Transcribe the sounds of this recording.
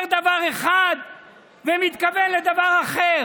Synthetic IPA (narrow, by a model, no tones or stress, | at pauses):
ʁd̪avaʁeχad̪ | vemit̪kabelːed̪avaʁaχeʁ